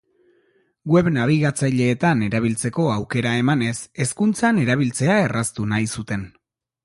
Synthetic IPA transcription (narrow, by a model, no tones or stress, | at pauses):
ɡwe̞βnaβ̞iɣat͡sajʎe̞ːt̪ane̞ɾaβ̞ilt͡se̞ko̞awke̞ɾae̞mane̞se̞skunt͡sane̞ɾaβ̞ilt͡se̞ae̞rast̪unajsut̪e̞n